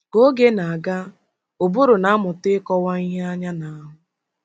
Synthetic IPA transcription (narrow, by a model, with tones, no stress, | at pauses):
ɡo˦ɡe˦na˨a˨ɡa˦ | o˨bʊ˦ɾʊ˨na˦mʊ˨tɪ˦kɔ˦wa˦i˦ɦe˦a˦ɲa˦na˨a˦ɦʊ˨